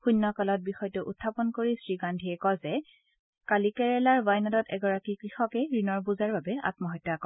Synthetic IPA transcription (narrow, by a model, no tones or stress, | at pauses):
xunːɔkalɔt̚bixɔjtʊʔutʰːapɔnkoɹisɹiɡandʱiɛkɔzɛ | kalikɛɹɛlaɹvajnadɔtɛɡɔɹakikɹixɔkɛɹinɔɹbuzaɹbabɛa̰tmɔɦɔtːakɔ